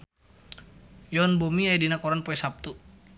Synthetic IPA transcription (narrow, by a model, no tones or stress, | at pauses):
jɔnbumiajdinakɔɾanpɔɛsap̚t̪u